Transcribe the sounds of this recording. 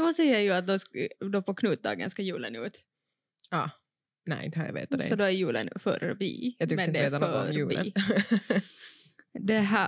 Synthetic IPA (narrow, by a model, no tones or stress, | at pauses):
ʊsɛjajʉat̪̚d̪ɔd̪ɔpʰɔkʰnʉːt̪̚d̪ɑ̰ːɡə̰nskajʉːlənʉ̰ːt̪ | ɑː | nɛ̰ɪ̰nt̪əhaj̰vḛːt̪d̪ssɔd̪ɔæɾjʉːlə̰nfœ̰ɾbḭːɑːt̪ɪkmɛnɪd̪ɛəeːt̪anoɡɔɾmjʉːlə̰ | d̪ɛɦæ